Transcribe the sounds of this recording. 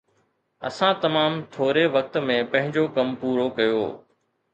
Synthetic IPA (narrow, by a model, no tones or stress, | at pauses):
ɐ̰sãt̪ɐmaːmt̪ʰoːɾeʋɐk̚t̪mẽpɐ̃ɦɪ̃ɲd͡ʑokɐmpuːɾokɐjo̰ː